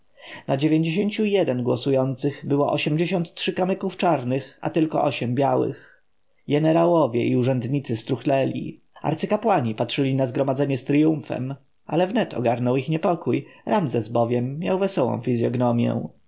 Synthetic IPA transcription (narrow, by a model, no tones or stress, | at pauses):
nad͡ʑevʲjeɲd͡ʑeɕeɲt͡ɕujɛd̪ɛnɡwɔsujɔnt̪sɘɣbɘwɔʔɔɕɛmd͡ʑeɕɔnt̪tːʂɘkamɘkuft͡ʂaɾnɘxa̰t̪ɘlkɔʔɔɕɛmbʲjawɘ̰x | ɡɛnɛɾawɔvʲjɛ̰ʔiuʐɛnd̪ɲit̪sɘst̪ɾuxlɛlʲḭ | a̰ɾt̪sɘkapwaɲipatʂɘlʲinazɡɾɔmad̪zɛɲɛst̪ɾijũfɛ̰m | alɛvnɛt̪ʰɔ̰ɡaɾnɔwixɲɛpɔkujɾamzɛsbɔvʲjɛmːja̰wvɛsɔwɔ̰̃w̃fʲizʲjɔɡnɔmʲjɛ̰